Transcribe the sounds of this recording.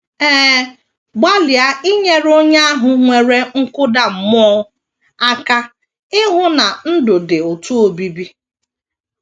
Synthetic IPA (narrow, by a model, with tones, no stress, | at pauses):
ɛː˦ | ɡ͡ba˦lɪ˨a˦i˦ɲe˦ɾo˦ɲa˦a˦ɦʊ˨ŋʷe˨ɾe˦ŋ̩˦kʊ˦da˨m̩˨m˦ɔ˦ | a˦ka˦ | ɪ˦ɦʊ˦na˨n̩˦dʊ˨dɪ˨o˨tu˦o˨bi˦bi˦